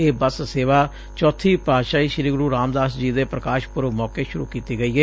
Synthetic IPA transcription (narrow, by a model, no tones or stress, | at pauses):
eːbəsseːʋaː | t͡ʃɔːt̪ʰiːpɾaːd̪ʃaːiːʃɪɾiːɡʊɾuːɾaːmd̪aːsd͡ʒiːd̪eːpɾəkaːʃpʊɾʋmɔːkeːʃʊɾṵːkiːt̪iːɡəiːɦɛː